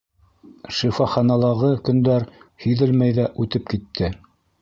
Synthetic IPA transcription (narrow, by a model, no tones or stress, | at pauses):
ʃifɑχɑnɑlˠɑʁɤkɵ̆nd̪æɾhɵ̆jðɘlmæjðæʔʉt̪ɘp̚kit̪ʰːɘ